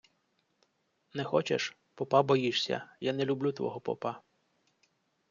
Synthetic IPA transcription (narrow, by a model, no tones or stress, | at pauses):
nɛxɔt͡ʃḛʃ | pɔpɑbɔjiʃsʲɐ̰janɛlʲublʲut̪ʋɔ̰ɦɔpɔ̰pɑ